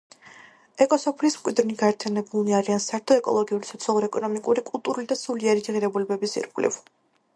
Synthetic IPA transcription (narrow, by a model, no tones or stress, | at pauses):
ɛkʼɔsɔpʰliːsmkʼwid̪ɾuniɡaɛɾt̪ʰjɛnɛbulˠniaɾiansaɾt̪ʰɔɛkʼɔ̰lˠɔɡiulisɔt̪sʰialˠuɾɛkʼɔnɔmikʼuɾikʼulˠt̪ʼuɾulid̪asuliɛɾid̪ʰiʁiɾɛbulɛbɛbisḭɾkʼlḭv